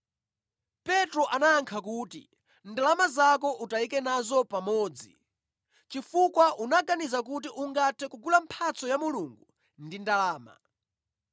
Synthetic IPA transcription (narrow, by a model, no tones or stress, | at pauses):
pɛtɾɔʔanaːŋkʰakuːtḭ | ndalamazakɔʔutaikɛnazɔpamɔːd͡zḭ | t͡ʃifukwaʔunaɡanizak̬ut̬iʔuŋɡatʰɛkuɡulam̩pʰat͡sɔjamuluŋɡu | ndindalaːma̰